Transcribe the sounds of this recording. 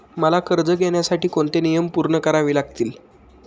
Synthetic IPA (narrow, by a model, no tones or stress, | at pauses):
məlakəɾd͡zəɡʱeɳjasaʈiːkoɳt̪enijəmpuɾɳəkəɾaʋiːlaɡt̪iːl